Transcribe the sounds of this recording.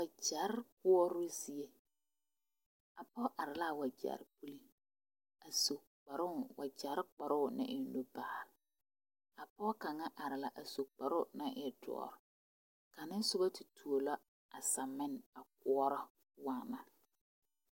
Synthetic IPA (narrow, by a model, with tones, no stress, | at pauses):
wa˨d͡ʒa˨˦ɾk̚ʊ˦ɔ˦ɾʊ˦zi˨e˦ | a˨pɔ˦ʔa˨ɾɪ˨la˦˨wa˨d͡ʒa̰˨ɾpu˦li˦ | a˨so˨ | k͡pa˨ɾʊ˦˨wa˨d͡ʒa˨˦ɾk͡pa˨ɾʊ˦˨nɪ̰˦ʔɪ˨nlo˦ba˨a˨ | a˨pɔ˦ka˨ŋa˦ʔa˨ɾɪ˨la˨ʔa˨so˨k͡pa˨ɾʊ˦na˦ʔɪ˦dɔ̰˨ɔ̰˨ɾ | ka˨nɪ˦n˦sʊ˦ba˦tɪ˨tʰu˨o˨la˦ | a˨sa˨mɪ˦n˨a˨k̚ʊ˦ɔ˦ɾɔ˦ | waː˦˨ma˨